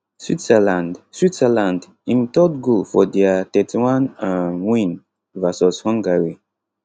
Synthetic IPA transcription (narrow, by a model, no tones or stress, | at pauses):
switsɛlãndswitsɛlãnd | ĩntɔtɡofɔdɛatɛtʰiwãnãwĩn | vasɔshɔ̃ŋɡaɹi